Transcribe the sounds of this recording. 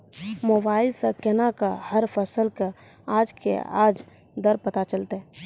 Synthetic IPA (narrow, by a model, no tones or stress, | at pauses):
mobaːɪlsakɛnakahəɾpʰəsəlka | aːd͡ʒkḛa̰ːd͡ʒ | d̪əɾpət̪at͡ʃəlt̪ɦɛ̃